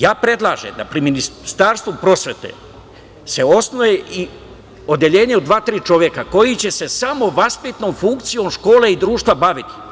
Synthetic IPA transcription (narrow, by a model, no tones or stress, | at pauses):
jaːpɾe̞d̪lˠaːʒḛmd̪a̰pɾiminist̪aɾst̪ʋupɾo̞sʋʲet̪e̞̰ | se̞o̞snojei | o̞d̪jeʎe̞ːɲeod̪ʋaːt̪ɾiːt͡ʃo̞ʋjekako̞jit͡ɕe̞se̞samo̞ʋaspit̪no̞mfuŋkt̪sijo̞mʃko̞ːle̞id̪ɾuːʃt̪ʋabaʋit̪i̥